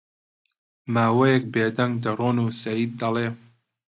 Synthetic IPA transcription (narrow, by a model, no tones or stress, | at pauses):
maːwɐjɛk̚beːd̪ɐŋɡd̪ɐroːnusɐjiːd̪̚ːɐleː